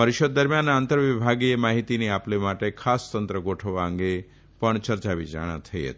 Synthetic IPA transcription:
əɾiʃəd̪̚ːəɾmjanant̪əɾʋibʱaɡiemaɦit̪iniaplemaʈekʰast̪ənt̪ɾəɡoʈʰəʋaə̃ŋɡe | pəɳt͡ʃəɾt͡ʃaʋid͡ʒa̰ɽ̃a̰t̪ʰəjḛt̪

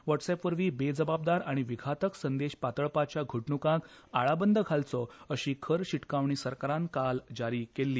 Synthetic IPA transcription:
ʋəʈsɛpʋəɾʋiːbed͡zəbab̚d̪aɾaɽ̃iʋiɡʱat̪əksənd̪eɕpat̪əɭpat͡ɕjaɡʱəʈɳukãk | aɭabənd̪ʱəɡʱalt͡sɔəɕiːkʰəɾɕiʈkaʋɳ̃iːsəɾkaɾãnkald͡ʑaɾikelːiː

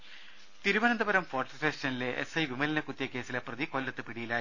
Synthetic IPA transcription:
t̪iɾuʋɐnɐnd̪ɐbɐɾɐmfoːrʈɐfeːʂɐnileʔḛsɐjʋimɐlinɐkut̪ːjɐkːe̞ːsileprɐðikolːɐt̪ːɨpiɽijilaː

